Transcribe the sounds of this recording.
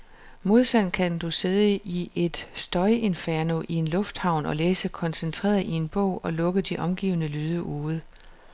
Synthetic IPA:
mo̝ð̞ˠsæn̰̥kʰænd̥use̝ð̞ˠəiʔe̝d̥sd̥ɒ̽ɪe̝nfæɐno̝ʔie̝nlɔ̽fd̥hɑ̈ʊ̰nɒ̽leːsəkʰɒ̽nsent͡sʰʁḛːɐð̩ˠie̝nb̥ɔʊ̰ɒ̽lɔ̽ɡ̥əd̥iʔɒ̽mɡ̥ḭːʊnəlyːð̞ˠəʔuːð̩ˠ

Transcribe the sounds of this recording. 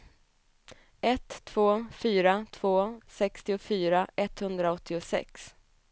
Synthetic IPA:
ɛt̪ʰːv̥oːfyːɾat̪ʰv̥oːsɛkst̪ɪʊfyːɾaʔɛt̪hɵnd̪ɾaɔt̪ːɪʊsɛ̰ks

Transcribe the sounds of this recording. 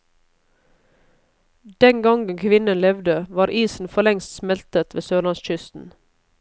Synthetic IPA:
d̪̥ɛŋɡɑŋɡəŋkʰʋɪnənlɛʋd̪əʋɑːɾʔiːsn̩fɔɭɛŋst̪smɛlt̪ət̪ʋeːsøːlɑnsc͡çʏst̪n̩

